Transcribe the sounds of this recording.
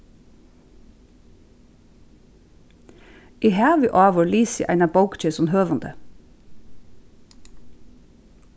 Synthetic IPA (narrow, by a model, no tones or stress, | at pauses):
ʔiːhæːʋʏʔɑːʋɔːliːsɪ̰ʔæ̰ɪnɑbɑʊkt͡ʃɛsɔnhøːʋɑnd̪ə̰